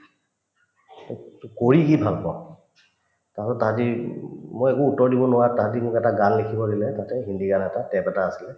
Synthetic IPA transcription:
tkoɹikibʱalkɔ | tasɔttːatimojekuutɔɹdibɔnʊwatat̬imʊkɛtaɡallekʰibɔdilɛtatɛɦindiɡanɛtatɛpɛtaːsilɛ

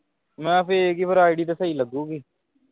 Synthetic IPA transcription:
mɛ̃ːpɪɾeːkiːpʰəɾaːiɖiːt̪eːsəiːləɡuːɡiː

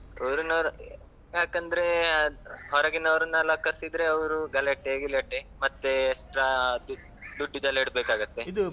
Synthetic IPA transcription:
ɐʋɾunɐ | jaːkɐnd̪ɾe̞ | ɦɔɾɐɡinɐɐʋɾɐnːɐlɐkːɐɾsid̪ɾe̞ɐʋɾuɡɐleʈeɡuleʈːemɐt̪ːeeksʈɾaːd̪u | d̪uɖːud͡ʒ̪ɐliɽbeːkaːɡɐt̪ːe̞id̪u

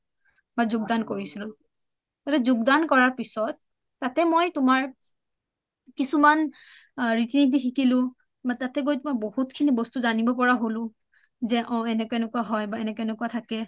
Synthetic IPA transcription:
bazʊɡ̚dankoɹisilʊ̃ | tatɛzʊɡdankɔɹaɹpisɔt̚ː | atɛmojtʊmaɹ | kisuman | ɹitinit̬ixikilʊ̃ | batatɛɡojtmɔjbohutkʰinibɔstuzanibɔpɔɹaɦolʊ̃ | zɛʔɔ̃ɛnɛkɔɛnɔkuaɦɔjbaɛnɛkɔɛnɔkuatʰakɛ

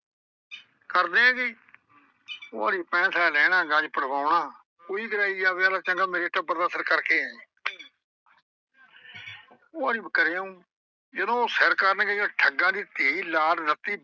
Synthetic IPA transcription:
kəɾd̪ẽːɛ̃ːɡeː | oːaːɾiːpɛ̃ːsʰalɛːɽ̃ãːɡãd͡ʒpəɽʋaːʊɳaː | koːiːɡəɾaːiːaːʋeːaːlaːt͡ʃə̃ŋɡaːmeɾeːʈəbəɾd̪aːsəɾkəɾkeːɛ̃ | oːaːɾiːbəkəɾeːũː | d͡ʒəd̪õːoːsəɾkəɾnɡeaːʈʰəɡãːd̪iːt̪eːiːlaːɾnət̪ːiː

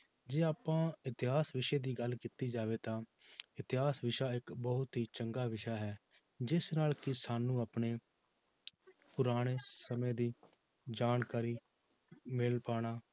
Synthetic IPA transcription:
d͡ʒeːaːpãːɪt̪ɪɦaːsʋɪʃeːd̪iːɡəlkiːt̪iːd͡ʒaːʋeːt̪ãː | ɪt̪ɪɦaːsʋɪʃaːɪkbəɦʊt̪ɦiːt͡ʃəŋɡaːʋɪʃaːɦɛː | d͡ʒɪsnaːlkɪsaːnũːaːpɳeː | pʊɾaːɽ̃eːsəmẽːd̪iː | d͡ʒaːnkaːɾiː | mɪlpaːɽ̃aː

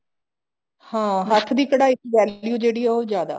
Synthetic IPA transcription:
hãːɦət̪ʰd̪iːkəɽaːɪkʋɛːlljuːd͡ʒeːɽiːɛːoːzjaːd̪a̰ː

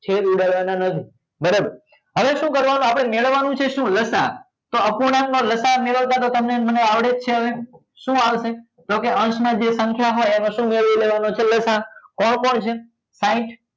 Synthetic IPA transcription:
t͡ʃʰeɾuɖaɭʋananət̪ʰi | bəɾəbəɾ | ɦəʋeʃũkəɾʋanũapɽ̃emeɭəʋːanũt͡ʃʰeʃũːləsa̰ | t̪oəpuɽannoləsameɭəʋt̪at̪ot̪əmneməneaʋɽet͡ʃʰeɦəʋe | ʃũaʋʃe | d͡ʒokeʔəɳʃmãd͡ʒesə̃ŋkʰjaɦojenoʃũmeɭʋileʋanot͡ʃʰeləsakɔɳpəɳt͡ʃʰe | sãĩʈ

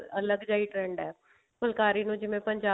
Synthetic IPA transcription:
ələɡd͡ʒaːiːʈɾɛ̃ːɳɖɛː | pʊlkaːɾiːnũːd͡ʒɪʋẽpəɲd͡ʒaː

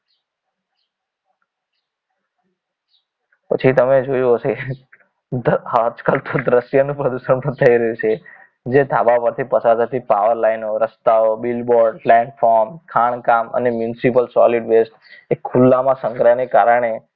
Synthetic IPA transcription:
pət͡ʃʰit̪əmed͡ʒojot͡ʃʰe | hat͡ʃkalt̪ʰod̪ɾəʃjənũpɾəd̪uʃənpət̪ʰəiɾəjũt͡ʃʰe | d͡ʒed̪ʱabapəɾt̪ʰipəsad̪ət̪ʰipaʋəɾlainoɾəst̪aobilboɾɖplɛɳʈfɔɾmkʰaɳ̃kamə̰nemjunsipəlsɔ̰liɖʋesʈ | ekʰːulːamãsə̃ŋɡɾaneka̰ɾəɳ̃e

